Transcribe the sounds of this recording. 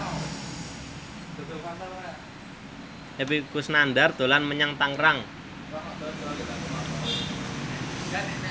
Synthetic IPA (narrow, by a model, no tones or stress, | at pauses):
epikusnandart̪o̤lanməɲaŋt̪aŋɾaŋ